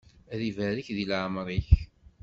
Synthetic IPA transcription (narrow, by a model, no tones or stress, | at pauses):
æðivæɾiçðilʕmɾˤiç